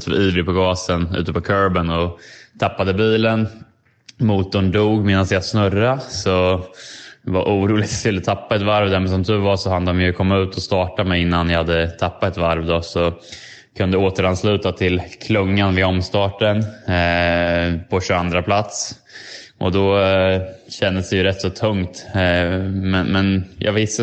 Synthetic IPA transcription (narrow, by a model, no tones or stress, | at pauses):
t̪ʰyiːvɾɪpʰɔɡɑːsənʉ̟ːt̪əpɔkʰœɾbənɔt̪ʰapːad̪əbiːlən | muːt̪̚ːɔnd̪uːɡmeːd̪ansjɑsnɵɾasɔ | vaɾʔuːɾuːlɪt̪sɪlːət̪ʰapːaɛt̪vaɾvd̪ɛmɛnsɔmd̪ɵvasɔhand̪əd̪ɔmjɵkʰɔmːaʉ̟ːt̪ʰɔst̪ɑːʈamɛjɪnːanjahad̪ːət̪ʰapːat̪ɛt̪vaɾvd̪ɔsɔ | kʰɵnd̪əoːt̪əɾanslʉ̟ːt̪at̪ʰɪlkʰlɵŋːanvɪɔmst̪ɑːʈən | pʰɔɕɵand̪ɾapʰlat̪s | ʔɔ̰d̪ɔ | ɕɛnd̪əsd̪ɛjɵɾɛt̪ːsɔt̪ʰɵŋt̪ | mɛnmɛnjʔɑ̰ːɡvɪsə